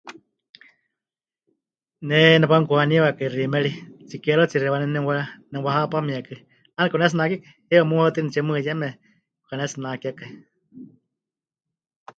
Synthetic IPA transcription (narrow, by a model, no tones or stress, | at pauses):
nɛnɛbaŋkuaniwakairimɛɺit͡sikɛɾot͡siɾɛwanɛnɛwanɛwahapamiakɨ | anɛkɔnɛs̬ɨnakiaka | hɛwamuhat̪inɛt͡ʃɛmɨjɛmɛ | kukanɛsinakiakai